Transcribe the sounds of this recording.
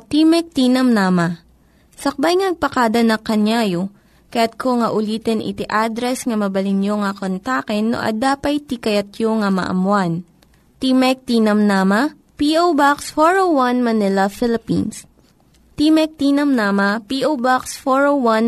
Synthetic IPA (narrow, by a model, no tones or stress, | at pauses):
t̪imɛk̚t̪iːnɐmnaːmɐ | sɐk̚bajŋɐɐɡ̚pɐkaːd̪ɐnɐkɐɲjaːjo | kɐjat̪̚kʰoŋɐʔʊliːt̪ɛnʔɪ̰t̪ɪʔad̪ɾɛsŋɐmɐbɐlɪnjoŋɐkont̪aːkɛnːo̰ʔɐ̰d̪aːpɐjt̪ikɐjɐt̪joŋɐmɐ̰ʔɐ̰mwan | t̪imɛk̚t̪iːnɐmnaːmɐ | piʔowbaksfoɹowwanmɐnɪlɐfɪlɪpḭns | t̪imɛk̚t̪iːnɐmnaːmɐpiʔowbaksfoɹowan